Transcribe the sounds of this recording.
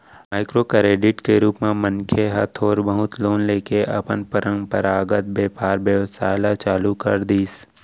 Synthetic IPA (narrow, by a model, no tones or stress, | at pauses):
maːɪkɾokɾeːɖɪʈkeɾuːpmẽmənkʰeɦɐt̪ʰoːɾbəɦʊt̪loːnleːkeʔɐ̰pənpəɾə̃ŋɡpəɾaːɡət̪̚beːpaːɾbjəʋsa̰ːɪlat͡ʃaːlukɐɾd̪iːs